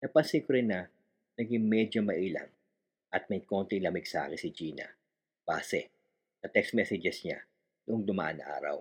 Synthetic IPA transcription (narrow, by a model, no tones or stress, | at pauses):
nɐpɐŋsikʊɾɪnɐ | nɐɡɪŋmɛd͡ʒomɐʔiːlɐ̰ŋ | ʔɐt̪̚mɐjko̞nt̪ɪŋlɐmɪɡ̚sɐʔa̰ːkɪnsɪd͡ʒiːnɐ̰ | b̥aːsɛ̰ | nɐt̪ɛkst̪mɛsɛd͡ʒɛsɲa̰ | nʊʔoŋd̪ʊmɐ̰ʔɐ̰nʔa̰ːɾɐ̰w